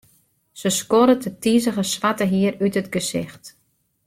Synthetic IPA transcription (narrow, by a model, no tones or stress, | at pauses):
səskoɾətʰətizəɣəsʋatəɦiəɾytətɡəzɪ̰xt